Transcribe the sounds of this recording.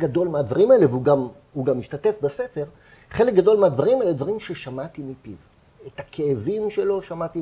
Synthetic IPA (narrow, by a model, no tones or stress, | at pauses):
ɡad̪o̞lmead̪vaʁimaelevuɡam | huɡamiʃtate̞fbese̞feʁ | χe̞lek̚ɡad̪o̞lmead̪vaʁimaeled̪vaʁimʃe̞ʃamat̪imipiv | etakʰeːvimʃe̞lo̞ʃamat̪i